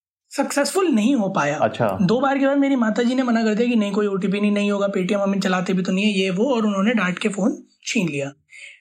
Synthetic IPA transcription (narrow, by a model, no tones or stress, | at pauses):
sɐksɛːsfʊlnɐɦĩɦopaːjaːɐ̰ʃʰa̰d̪oːbaːɾkebaːd̪meːɾimaːt̪ad͡ʒiːnemɐnakɐɾd̪ijakinɐɦĩkoːiuːʈ̬iːp̬inɐɦĩnɐɦĩɦoːɡapeːʈijə̃mɐmɪnt͡ʃɐlaːt̪ebʱit̪̬onɐɦĩɦɛjeʋoɔːɾʊnɦõːneɖaːɾʈkefoːn | t͡ʃʰiːnlijaː